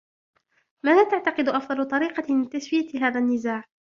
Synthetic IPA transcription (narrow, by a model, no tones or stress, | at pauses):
maːðaːt̪aʕt̪ɑqɨd̪ʊʔɑfd̪ˤɑlʊt̪ˤɑɾiːqɑmɪt̪aswɪjaɦaːðanːɪzaːʕ